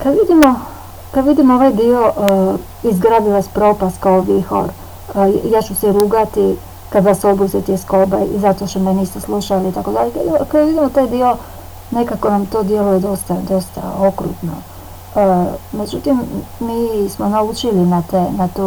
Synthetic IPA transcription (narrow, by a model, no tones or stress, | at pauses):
kad̪ʋid̪imo̞ | kad̪ʋid̪imooʋajd̪io̞ʔ | izɡɾad̪iʋaspɾo̞ːpast̪̚kaoʋixo̞̰ɾ | jaːt͡ʃusɛɾuːɡat̪i | kad̪ʋasobuset̪ieskobajizat̪oʃt̪omeniːst̪eslˠuʃaliːt̪ako̞d̪aʎekikad̪ʋid̪imot̪aːjd̪io̞ | ne̞kako̞namt̪o̞ːd̪je̞luje̞d̪o̞st̪ad̪o̞st̪a̰o̞kɾṵt̪no̞̰ | me̞d͡ʒut̪imːiːsmo̞naut͡ʃilinat̪enat̪u